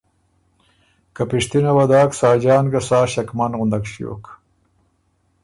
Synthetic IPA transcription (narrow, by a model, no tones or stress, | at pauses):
kapɪʂt̪inawad̪ɑːksɑːd͡ʒɑːnɡasɑːʃakmanɣund̪aɡʃijo̰ːk